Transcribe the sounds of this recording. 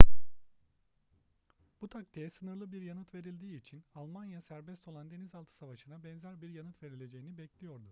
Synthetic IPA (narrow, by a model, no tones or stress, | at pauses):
b̥ut̪ʰak̚t̪ʰejɛsɯnɯɾlˠɯbiɾjanɯt̪ve̞ɾilʲd̪iːt͡ʃʰinalˠmanjasæɾbɛst̪ʰo̞lˠand̪e̞nizalˠt̪ʰɯ̥savaʃɯnabɛnzæɾbiɾjanɯt̪ve̞ɾilʲe̞d͡ʒe̞jinibɛclʲijo̞ɾd̪u